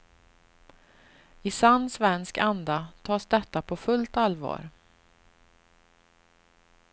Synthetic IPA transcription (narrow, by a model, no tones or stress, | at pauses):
ɪsanːsvɛnskand̪at̪ʰɑːsd̪ɛt̪ːapʰɔfɵlt̪alvɑ̰ːɾ